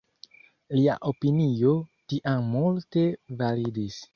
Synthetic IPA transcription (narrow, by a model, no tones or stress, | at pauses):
lia̰ʔopinio̞tiʔamːulte̞validis